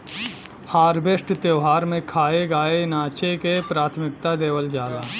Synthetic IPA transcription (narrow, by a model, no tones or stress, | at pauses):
haːɾbesʈt̪jeʊɦaːɾmẽkʰaːeɡaːenaːt͡ʃekepɾaːt̪ʰmɪk̚t̪ad̪eːʋəld͡ʒaːla̰ː